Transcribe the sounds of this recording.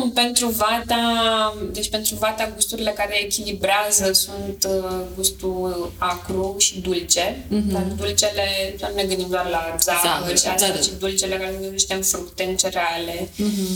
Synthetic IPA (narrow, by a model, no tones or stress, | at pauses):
pe̞nt̪ɾuvat̪ad̪e̞t͡ʃpe̞nt̪ɾuvat̪aɡust̪uɾile̞kaɾe̞ːkʲilibɾeazəsunt̪ɡust̪uakɾuʃid̪ult͡ʃe̞d̪ad̪ult͡ʃe̞le̞sunne̞ɡɨnd̪imd̪oaɾlazaəʃaaʃid̪ult͡ʃelekaɾesziʃt̪emfɾukt̪e̞ɨnt͡ʃeɾeale̞